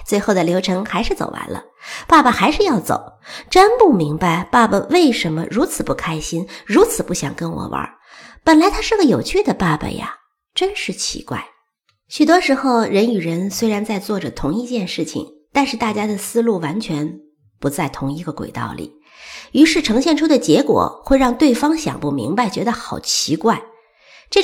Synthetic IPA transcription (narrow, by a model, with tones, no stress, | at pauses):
t͡swe˥˧ɪxo˥˩ʊd̪ə˩ljo˧˥ʊʈ͡ʂʰɤ˧˥ŋxa˧˥ɪʂɻ̩˥˩t͡so˨˩ʊwa̰˧˥nlə̰˧ | pa˥˩bə˩xa˧˥ɪʂɻ̩˥˧jɑ˥˩ʊt͡so̰˨˩˦ʊʈ͡ʂə˥npu˥˩mi˧˥ŋpa˥˧ɪpa˥˩bə˨˩we˥˩ɪʂə˧˥nmə̰˧ɻu˧˥t͡sʰɹ̩˨˩pu˥˩kʰa˥ɪɕi˥nɻu˧˥t͡sʰɹ̩˨˩pu˥˩ɕjɑ̰˨˩ŋkə˥nwɔ̰˨˩wə̰˧˥ | pə˨˩nla˧˥ɪt̪ʰa˥ʂɻ̩˥˩ɡə˩jo˨˩ʊt͡ɕʰy˥˩d̪ə˩pa˥˩bə̰˩ja̰˩ | ʈ͡ʂə˥nʂɻ̩˥˩t͡ɕʰḭ˧˥kwa̰˥˩ɪ | ɕy˨˩t̪wɔ˥ʂɻ̩˧˥xo˥˧ʊɻə˧˥ny˨˩ɻə˧˥nswe˥ɪɻa˧˥nt͡sa˥˧ɪt͡swɔ˥˩ʈ͡ʂə˩t̪ʰʊ˧˥ŋi˥˧t͡ɕjɛ˥˧nʂɻ̩˥˩t͡ɕʰḭ˨˩ŋ | t̪a˥˧nʂɻ̩˥˧t̪a˥˩t͡ɕja˥d̪ə˨sɹ̩˥lu˥˩wa˧˥nt͡ɕʰɥɛ˧˥n | pu˧˥t͡sa˥˩ɪt̪ʰʊ˧˥ŋi˧˥ɡə˧kwḛ˨˩ɪt̪ɑ̰˥˩ʊlḭ˨˩˦ | y˧˥ʂɻ̩˥˩ʈ͡ʂʰɤ˧˥ŋɕjɛ˥˩nʈ͡ʂʰu˥d̪ə˨t͡ɕjɛ˧˥kwɔ̰˨˩xwe˥˧ɪɻɑ˥˧ŋt̪we˥˩ɪfɑ˥ŋɕjɑ̰˨˩ŋpu˥˩mḭ˧˥ŋba˧ɪt͡ɕɥɛ˧˥d̪ə˧xɑ˨˩ʊt͡ɕʰi˧˥kwa˥˩ɪ | ʈ͡ʂɤ˥˩